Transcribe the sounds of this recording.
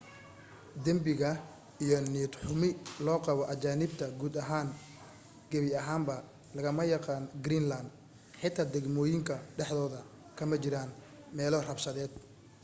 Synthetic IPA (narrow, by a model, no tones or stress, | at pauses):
d̪ɐmbɪɣɐ | ijɔnid̪ħʊmɪlɔːqɑβɔʔɐt͡ʃaːnɪbt̪ʰɐɡuːd̪ɐɦaːŋ | ɡ̥ɐβɪɐɦaːmbɐ | lɐɣɐmɐjɑqɑːnɡɾiːnland̪ | ħɪt̪ʰaːd̪ɛɡmɔːjɪŋkʰɐɖɛħðɔːðɐ | kʰɐmɐt͡ʃɪɾaːn | mɛːlɔrɐbʃɐðɛːd̪̚